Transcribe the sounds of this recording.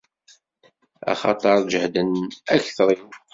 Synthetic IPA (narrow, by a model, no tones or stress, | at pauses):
ɑ̰χɑt̪ˤɑɾˤd͡ʒəhd̪ənæçθɾˤim